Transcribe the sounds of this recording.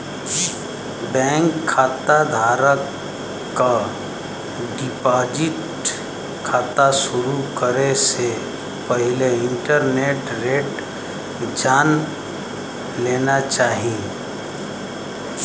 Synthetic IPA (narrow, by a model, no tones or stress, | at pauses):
bɛ̃ːŋkʰːaːt̪ad̪ʱaːɾəkː | a | ɖɪpaːd͡ʒɪʈ | kʰaːt̪aʃʊɾukəɾese | pəɦɪleɪ̃ɳʈəɾneːʈɾeːʈ | d͡ʒaːn | leːnat͡ʃaːɦie